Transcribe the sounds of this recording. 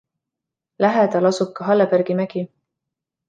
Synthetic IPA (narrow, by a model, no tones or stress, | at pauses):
læɦet̪ɑlɑsup̚kɑɦɑlːepæɾɡ̥imæɡ̥i